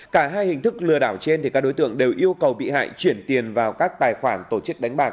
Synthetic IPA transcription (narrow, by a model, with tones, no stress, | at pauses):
kaː˧˩ɦaː˧jhi˨˩ŋ̟t̪ʰɨ˦˥k̚lɨ˨əɗaː˧˩wt͡ɕe˧nt̪ʰi˨˩kaː˦˥k̚ɗo˨˦jt̪ɨ̰˧˨əŋɗe˨˩wʔi˧əwkə˨˩wɓḭ˧˨ha̰ː˧˨jt͡ɕwi˧˩ənt̪i˨˩ənvaː˨˩wkaː˦˥k̚t̪aː˨˩jxwaː˧˩nt̪o˧˩t͡ɕɨ˦˥k̚ɗa˨˦ŋ̟ɓaː˨˩k